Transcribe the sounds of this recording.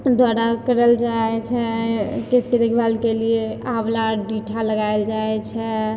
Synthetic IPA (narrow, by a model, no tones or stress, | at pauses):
d̪waɽakəɾəld͡ʒaɛt͡ʃʰɛkesked̪ekʰbalkelieablaɖiʈʰaləɡajld͡ʒajt͡ʃʰɛ